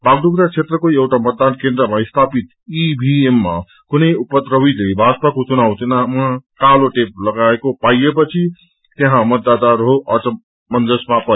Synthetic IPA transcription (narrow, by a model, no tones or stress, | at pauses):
baɡɖuɡɾat͡sʰet̪rʌkoewʈamʌt̪̚d̪ankend̪rʌmaist̪ʰapit̪ | ibʱiemːa̰ | kunʌjupʌt̪rʌwilejbʱad͡zpakot͡sunawt̪enamakaloʈep̚lʌɡaekopajepʌt͡sʰi | t̪eɦãmʌd̪ːad̪arɦoʔʌtʌ | mʌnd͡zʌsmapʌ